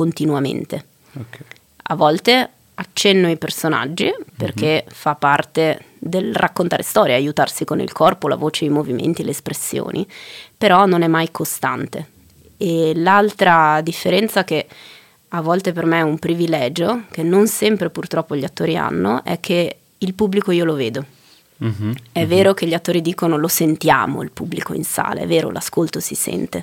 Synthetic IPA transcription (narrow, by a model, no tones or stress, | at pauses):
kont̪inwamḛnt̪e | a̰vːɔlt̪e | at͡ʃːɛnːoipersona̰d͡ʒːipḛrk̟efapːart̪e | d̪elrʔakːont̪aːɾʔest̪ɔːɾjeajut̪arsikonḭlkʰɔrpola̰voːt͡ʃejmovimʔḛnt̪ileːspɾesːjo̰ːnʔḭpeɾɔnonɛmːajkʰost̪a̰nt̪e | elalt̪ɾad̪ifːeɾɛnt̪sak̟e | avːɔlt̪epermeɛumpɾivilɛːd͡ʒok̟enːonsɛmpɾepurt̪ɾɔpːoʎiat̪ːoːɾia̰nːoʔɛ̰kʰːe | ilpubːlikoiːoloveːd̪o | ɛvːeːɾok̟eʎːiat̪ːoːɾid̪iːkonolosent̪ja̰ːmo̰ilpubːlikoḭnsa̰ːlḛɛ̰vːeːɾo̰lʔa̰skolt̪osisɛ̰nt̪e